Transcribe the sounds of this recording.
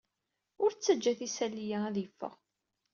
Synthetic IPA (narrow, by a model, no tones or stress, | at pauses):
ʊɾt͡sːəd͡ʒːæθisælːijææðifːə̰ʁ